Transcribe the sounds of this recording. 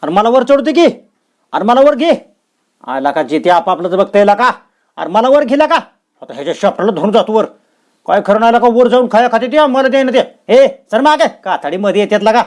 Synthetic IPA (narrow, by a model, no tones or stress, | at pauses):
aɾməlaʋəɾt͡səɽt̪ik̬i | a̰ɾməlaʋəɾɡʱi | a̰jlakad͡ʑit̪iapaːplət͡səbəɡ̚t̪ajlaka | a̰ɾməlaʋəɾɡʱilaka | ɦot̪aɦet͡ɕaɕəp̚ʈalad̪ʱuɳd͡zat̪ũʋəɾ | kajkʰəɾəɳ̃ajlakaʋəɾd͡zauːnkʰajakʰat̪iːɾt̪iaməlad̪eãnat̪eɦesəɾmaɡekat̪ʰəɽiːməd̪ʱjet̪jat̪laka